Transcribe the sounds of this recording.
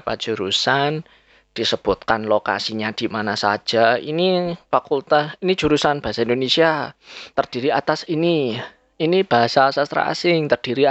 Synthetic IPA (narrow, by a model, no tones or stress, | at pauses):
pa̰̥d͡ʒ̥uɾusan | d̥isəb̥ʊt̪̚kanloka̰siɲad̪̥i̤manasa̰̥d͡ʒ̥aḭnifakult̪ahinid̥d͡ʒ̥uɾusanb̥aɦasaind̪onesiat̪ərd̥i̤ɾiat̪asini | inib̥aɦasasast̪ɾa̰ʔa̰sɪŋt̪ərd̥iɾi